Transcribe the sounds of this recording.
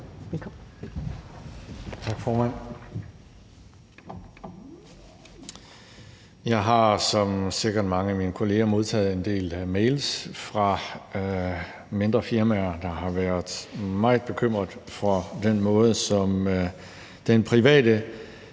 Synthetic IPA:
elk | t͡sʰɑ̈ɡ̥fɒːmæn̰ | jɑ̈ɪɦɑ̈sɒ̽mseɐɡ̥ɐd̥mɑ̈ŋəæminəkʰo̝le̝ːɐmo̝ð̞ˠt͡sʰɛ̰ːð̩ˠe̝nd̥e̝̰ːlmeɪlsfʁɑ̈ | me̝nd̥ʁɐfiɐmæɐd̥ɑ̈ɦɑ̈ʋæɐðˠmɑ̈ɪð̩ˠb̥e̝kʰøm̰ʁɐðˠfɒ̽d̥enmɔ̽ːð̞̩ˠəsɒ̽m | d̥enpʰʁiʋɛ̰ːdə

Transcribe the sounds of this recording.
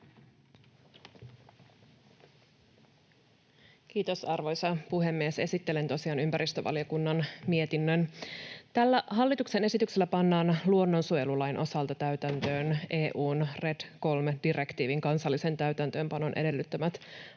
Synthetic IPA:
k̟iːt̪o̞sɑrʋo̞jsɑpuɦe̞mːiese̞sit̪ːe̞le̞nt̪o̞siɑːnympæɾist̪øʋɑ̰lio̞kunːɑnmie̞t̪inːønt̪ælːæɦɑlːit̪ukse̞ne̞sit̪ykse̞lːæpɑnːɑːnluo̞nːo̞nsuelulɑjnʔo̞sɑlt̪ɑt̪æɥt̪ænt̪ø̞ːnʔe̞ːʔuːnre̞dko̞lmed̥ire̞kt̪iːʋiŋkɑnsɑlːise̞nt̪æɥt̪ænt̪ø̞ːmpɑno̞nʔe̞de̞lːyt̪ːømæt̪

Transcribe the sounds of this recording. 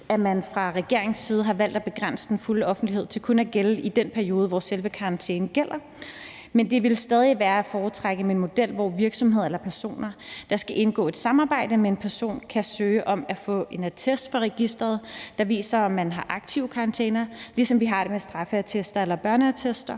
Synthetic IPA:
æmænfʁɑ̈ʁɛɡ̥e̝ɐeŋsiːð̞̩ˠəɦɑ̈ʋæl̰d̥æb̥e̝ɡ̥ʁan̰sə̥d̥enfuləɒ̽fn̩d̥lihe̝ð̞̰ˠt͡sʰe̝lkʰonæɡ̥eləʔid̥enpʰæɐio̝ːð̞ˠəʋɒselʋəkʰɑ̈ɑ̈nt͡sʰḛːn̩ɡ̥el̰ɐ | mend̥e̝ʋe̝lsd̥ɛːð̞ˠiʋæːɐæfɒːt͡sʰʁaɡ̥əmenmo̝d̥el̰ʋɒ̰ʋiɐɡ̥sɒ̽mɦeð̰ˠelɐpʰæɐso̝̰ːnɐd̥ɑ̈sɡ̥æʔe̝nɡ̥ɔ̰̽ːe̝d̥sɑ̈mɑ̈ːb̥ɑ̈ɪ̰d̥əmee̝npʰæɐso̝̰ːnkʰæsøːʔɒ̽mæfɔ̰̽ːe̝næt͡sʰesd̥fɒʁɛɡ̥isd̥ʁɐð̞̩ˠd̥ɑ̈ʋḭːsɐɒ̽mːænɦɑ̈ʔɑ̈ɡ̥̚t͡sʰiʊkʰɑ̈ɑ̈nt͡sʰḛːnɐlisɒ̽mʋiɦɑ̈d̥e̝mesd̥ʁɑ̈fəæt͡sʰesd̥ɐelɐb̥ɶɐnəæt͡sʰesd̥ɐ

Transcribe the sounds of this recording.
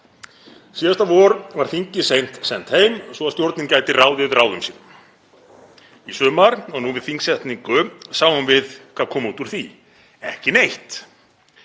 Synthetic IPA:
siːðast̪avɔːɾvaɾ̥θiɲcɪsejn̥t̪sɛn̥t̪hejmsvɔaðst̪jowɾt̪nɪncaːjt̪ɪraːwðɪðraːwðʏmsiːnʏm | isʏːmaɾɔɣnuvɪðθiŋksɛht̪niŋkʏsaːwvanvɪðkʰvaːðkʰɔːmuːt̪uɾ̥θi | ɛhcɪnejht̪

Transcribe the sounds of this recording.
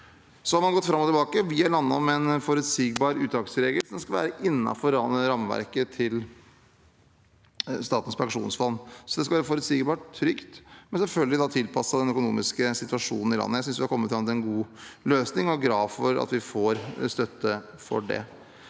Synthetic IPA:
sɔhɑɾmɑnɡɔt̪ːfɾɑmːɔt̪ɪlbɑːkəʋɪɑlɑnːɑɔmɛnfɔɾʉt̪siːɡbɑːɾʉːt̪d̪ɑːksəɾeːɡəlsɔmskɑlʋæ̰ːɾəʔɪnːɑ̰fɔɾɑɾɑmʋæ̰ɾkət̪ʰɪl | st̪ɑːt̪ən̩spʰɑŋʂṵːnsfɔnːsɔd̪ɛskɑlʋæːɾəfɔɾʉt̪siːɡbɑːʈʰːɾʏkt̪mɛnsɛlfœlɡəlɪd̪ɑt̪ʰɪlpʰɑsːɑd̪ɛnœkʊnṵːmɪskəsɪt̪ʉɑʂṵːnn̩ɪlɑ̰nːəjæɪsʏnsʋɪhɑkɔmːət̪fɾɑmət̪ːɛnɡuːløːsnɪŋɔɡɾɑːʋfɔɾɑ̰t̪ʋɪfoːɾst̪œt̪ʰːə | fɔ̰ɖɛ̰

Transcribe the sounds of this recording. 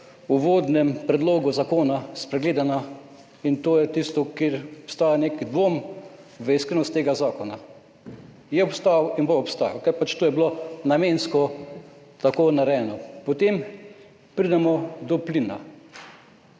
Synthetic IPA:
uʋoːd̪nɛmpɾɛd̪loːɡuzakoːnaspɾɛɡleːd̪ana | int̪oːjɛt̪ist̪ɔkeɾɔpst̪aːjaneːkid̪ʋomʋəiskɾenɔst̪eːɡazaːkɔna | jɛɔpst̪awinboɔpst̪aːja̰wkaɾpat͡ʃt̪oːjɛblonamenskɔ | t̪akoːnaɾɛɛnɔpot̪em | pɾid̪ɛmɔd̪ɔplina̰

